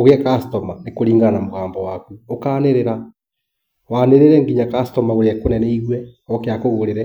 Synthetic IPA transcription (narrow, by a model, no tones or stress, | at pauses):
oɣɛkastɔmanekoɾiːŋɡanamoɣaːmbɔwakuokaːneɾeɾa | waneɾeɾɛŋɡiɲakastɔmaɣoɾɛkonɛnɛiɣwɛɔkeakoɣoɾeɾɛ